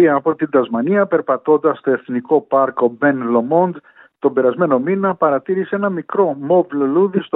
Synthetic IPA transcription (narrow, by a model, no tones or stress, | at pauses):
iɐːpo̞t̪ind̪ɐzmɐniɐpe̞ɾpɐt̪o̞nd̪ɐst̪o̞e̞θniko̞pɐɾko̞be̞nlo̞mo̞nd̪ | t̪o̞be̞ɾɐzme̞no̞minɐpɐɾɐt̪iɾisee̞nɐmikɾo̞mo̞vloluðist̪